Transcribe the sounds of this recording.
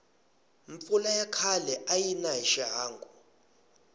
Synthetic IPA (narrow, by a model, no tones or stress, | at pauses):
ɱmp̪fulajakʰalɛʔajinaɦiʃɛɦaːŋɡu